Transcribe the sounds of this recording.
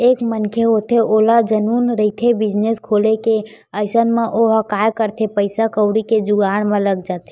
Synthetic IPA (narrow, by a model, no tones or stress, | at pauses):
eːkmənkʰeɦot̪ʰeʔoːlad͡ʒənuːnɾəit̪ʰebɪd͡ʒneskʰoːleke | əɪsənmẽʔoɦəkaːjkəɾt̪ʰepəɪsakəʊɽiked͡ʒʊɡaːɽmẽləɡd͡ʒaːt̪ʰe